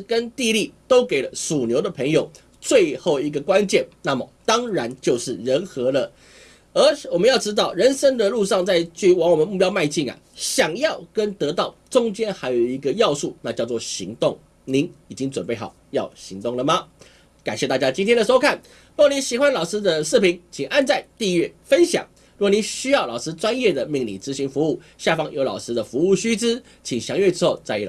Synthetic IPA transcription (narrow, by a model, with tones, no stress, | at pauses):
kə˦nt̪i˥˧li˥˩t̪o˥ʊke˨˩ɪlə˦su˨˩njo˧˥ʊd̪ə˧pʰə˧˥ŋjo˨˩ʊ | t͡swe˥˧ɪxo˥˩ʊi˧˥ɡə˧˨kwa˦nt͡ɕjɛ˥˩˨nna˥˩mə˩t̪ɑ˥ŋɻa˧˥nt͡ɕjo˥˧ʊʂɻ̩˥˩ɻə˧˥nxɤ˧˥lə˧ | ə˧˥wɔ˨˩mə˦jɑ˥˩ʊʈ͡ʂɻ̩˥t̪̬ɑ˥˩ʊɻə˧˥nʂə˥nd̪ə˨lu˥˧ʂɑ˥˧ŋt͡sa˥˧ɪt͡ɕy˥˩wɑ˧˥ŋwɔ˨˩mə˧˦mu˥˩p̬jɑ˥ʊma˥˧ɪt͡ɕi˥˩ŋɐ̰˩ | ɕjɑ˨˩ŋjɑ˥˩ʊkə˦nt̪ɤ˧˥t̪ɑ˥˩ʊʈ͡ʂʊ˥ŋt͡ɕjɛ˥nxa˧˥ɪjo˨˩ʊi˧˥ɡə˧jɑ˥˧ʊʂu˥˩na˥˧t͡ɕjɑ˥˧ʊt͡swɔ˥˩ɕi˧˥ŋt̪ʊ˥˩ŋ | ni˧˥ni˨˩t͡ɕi˦˥ŋt͡swə˨˩npe˥˩ɪxɑ˨˩ʊjɑ˥˨˩ʊɕi˧˥ŋt̪ʊ˥˩ŋlə˩mɐ˨ | ka˨˩nɕjɛ˥˧t̪a˥˧t͡ɕja˥t͡ɕi˥nt̪ʰjɛ˥nd̪ə˨˩ʂo˥ʊkʰa˥˩n | ɻu˥˨i˧˥nɕi˨˩xwa˥˦nlɑ˨˩ʊʂɹ̩˥d̪ə˨ʂɻ̩˥˩pʰi˧˥ŋt͡ɕʰi˨˩ŋʔa˥˧nt͡sa˥˧ɪt̪i˥˧ɥɛ˥˩fə˦nɕjɑ̰˨˩˦ŋ | ɻu˥˩˨ni˧˦ɕy˥jɑ˥˩ʊlɑ˨˩ʊʂɻ̩˥t͡swa˥njɛ˥˩d̪ə˩mi˥˧ŋlḭ˨˩t͡sɹ̩˧˥ɕi˧˥ŋfu˧˥u˥˩ | ɕja˥˨˩fɑ˥ŋjo˧˥ʊlɑ˨˩ʊʂɹ̩˥d̪ə˨fu˧˦u˥˩ɕy˥t͡s̩˥ | t͡ɕʰi˨˩ŋɕjɑ˧˥ŋɥɛ˥˧ʈ͡ʂɻ̩ʰ˥xo˥˧ʊt͡sa˥˧˥